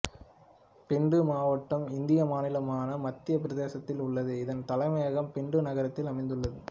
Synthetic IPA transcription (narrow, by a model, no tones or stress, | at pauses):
pɪɳɖɯmaːʋɐʈːɐmɪnd̪ɪjɐmaːnɪlɐmaːnɐmɐt̪ːɪjɐpɪɾɐðeːsɐt̪ːɪlʊɭːɐðɯɪðɐnt̪ɐlɐɪmɐjɐɣɐmpɪɳɖɯnɐɣɐɾɐt̪ːɪlɐmɐɪnd̪ɯɭːɐðɯ